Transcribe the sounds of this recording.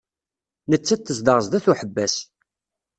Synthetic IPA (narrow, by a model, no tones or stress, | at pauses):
nət͡sːæt̪θːəsd̪əɾzd̪æθuħəbːæs